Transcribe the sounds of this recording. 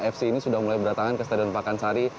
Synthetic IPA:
ɛfsiːnisudahmulajbəɾat̪aŋankəst̪adanpakansaɾi

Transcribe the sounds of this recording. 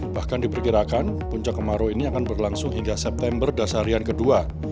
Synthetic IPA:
b̥ahkandipərkiɾakanpuɲt͡ʃakːəmaɾoiniakanbərlaŋsʊŋɦiŋɡasɛp̚t̪ɛmbərdasaɾiankədua

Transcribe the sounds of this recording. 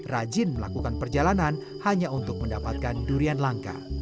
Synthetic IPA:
rad͡ʒɪnməla̰kukanpərd͡ʒalanan | haɲaunt̪ʊk̚məndapat̪̚kanduɾianlaŋka̰

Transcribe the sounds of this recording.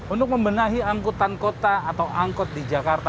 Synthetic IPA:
unt̪ʊk̚məmbənaɦiaŋkut̪ankot̪aːt̪awʔaŋkɔt̪̚did͡ʒakart̪a

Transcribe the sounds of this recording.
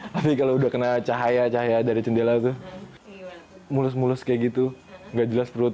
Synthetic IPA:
t̪afikaloudahkənat͡ʃaɦajat͡ʃaɦajadaɾit͡ʃəndelat̪ʊ | mulʊsmulʊskajaɡit̪uŋɡaʔd͡ʒəlaspɾʊt̪̚

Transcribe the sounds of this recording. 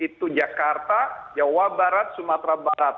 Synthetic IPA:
it̪ud͡ʒakart̪ad͡ʒawabaɾat̪̚sumat̪ɾabaɾat̪̚

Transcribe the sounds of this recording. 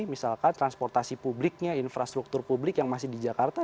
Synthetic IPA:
misalkant̪ɾanspɔrt̪asipublɪk̚ɲainfɾast̪ɾuk̚t̪ʊrpublɪkjaŋmasɪhdid͡ʒakart̪a

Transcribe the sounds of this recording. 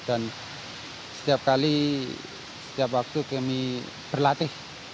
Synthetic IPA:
d̥a̤n | sə̥t̪ijap̚kali | sə̥t̪ijap̬wak̚t̪ukɛmi | b̥ərlat̪ɪh

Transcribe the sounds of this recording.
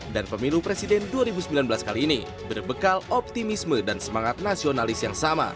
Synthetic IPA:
danpəmilupɾesidɛnduaɾibusəmbilanbəlaskaliːni | bərbəkalɔp̚t̪imismədansəmaŋat̪̚nasionalɪsjaŋsama̰

